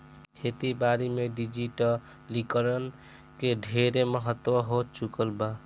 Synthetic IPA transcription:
hʰet̪ibaɾimeɖid͡ʒiʈə | likəɾən | keɖʱeɾeməɦət̪ːwəɦot͡ʃukəlba

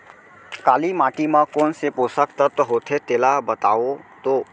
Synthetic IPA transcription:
kaːlimaːʈimə̃koːnsepoːsəkt̪ət̪ːəɦot̪ʰet̪eːlabət̪aːot̪oː

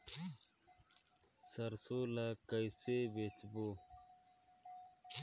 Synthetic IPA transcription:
sɐɾsoːlakəjsebet̪boː

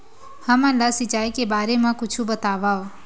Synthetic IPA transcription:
həmãːlaːsɪt͡ʃaːikebaːɾemãːkʊt͡ʃʰubət̪aːʋaːoː

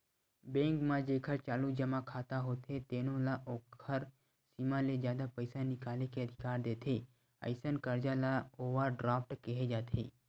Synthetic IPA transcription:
bẽŋkmãd͡ʒekʰəɾt͡ʃaːlud͡ʒəmãkʰaːt̪aɦot̪ʰet̪enõlaʔokʰəɾ | simãled͡ʒjaːd̪apəjsanɪkaːlekeəd̪ʱikaːɾd̪et̪ʰe | ə̰ɪsənkəɾd͡ʒalaoʋaɖɾaːfʈkeɦed͡ʒat̪ʰḛː

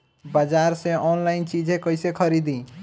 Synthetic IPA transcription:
bad͡ʒaɾsẽʔɔnlaɪnt͡ʃid͡ʒʱẽkəjsekʰəɾid̪ĩ

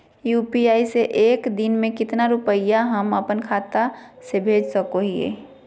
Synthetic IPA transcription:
juːpiaːiseʔeːkd̪ɪnmẽkɪt̪naɾʊpəɪjaɦəməpənkʰaːt̪asebʱeːd͡ʒsəkoɦiḛ

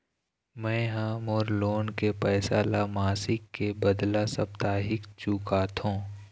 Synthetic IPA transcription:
mɛ̃ːɦãmoːɾloːnkepɛːsaːlamaːsɪkːebəd̪lasəp̚t̪aːɦɪkt͡ʃuːkaːt̪ɦõː

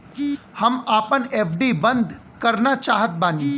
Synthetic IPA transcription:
hɐmaːpəneːpʰɖibɐ̃nd̪ʱ | kɐɾnat͡ʃaːɦət̪̚baːni

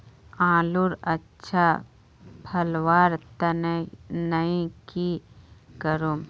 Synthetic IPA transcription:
ãːluɾɐtːʃʰa | pʰɐlwaːɾt̪ɐnnɐĩkikəɾum

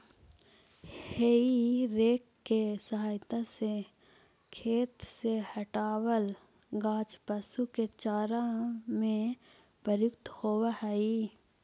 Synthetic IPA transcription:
heiɾeːkːesəɦaːjt̪ase | kʰeːt̪sehɐʈaːwəl | ɡãːt͡ʃpəsuket͡ʃaːɾãmẽ | pəɾjʊkt̪hoːwahɛi

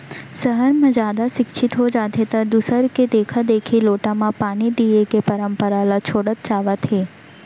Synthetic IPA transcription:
səɦəɾmãd͡ʒad̪asɪkʃʰit̪ɦod͡ʒad̪ʱet̪ad̪usəɾked̪ekʰad̪ekʰiloʈamãpanid̪iekepəɾəmpəɾalat͡ʃʰoɽət̪̚t͡ʃaʋat̪ʰe

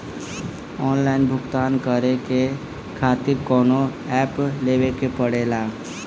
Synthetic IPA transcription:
ɔːnlaːɪnbʱʊɡt̪aːnkəɾeke | kʰaːt̪ɪɾkɔːnoɛːpleːwekepəɽeːlaː

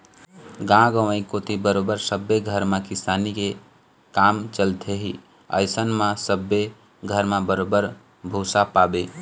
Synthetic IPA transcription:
ɡãɡə̃ʋəĩkot̪ibəɾobəɾsəbːeɡʱəɾmãkɪsaːnike | kaːmt͡ʃəlt̪ʰeɦi | ə̰ɪsənmãsəbːe | ɡʱəɾmãbəɾobəɾ | bʱosapabe

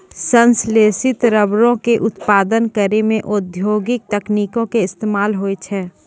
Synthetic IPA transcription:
sə̃nsleːsɪt̪ɾəbɾõkeʔʊt̪paːd̪ənkəɾemẽʔʊd̪ʱjoːɡɪk̚t̪ɛkniːkõkeɪst̪eːmaːlɦoːet͡ʃʰɛː

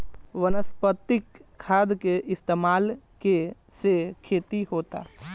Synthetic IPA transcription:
ʋənəspət̪ːɪkʰːaːd̪keʔɪst̪eːmaːlke | sekʰeːt̪iɦoːt̪a̰ː

